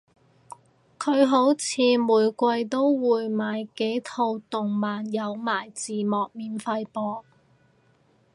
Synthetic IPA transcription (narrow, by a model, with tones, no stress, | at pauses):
kʰɵ˨˧ɥɦo˨˥wt͡sʰiː˨˧muː˨jkʷɐ˧jt̪o˥wwuː˨˧jmaː˨˧jke˨˥jt̪ʰo˧wt̪ʊ˨ŋmaː˨njɐ˨˧wmaː˨˩jt͡siː˨˩mɔː˨k̚miː˨nfɐ˧jpɔː˧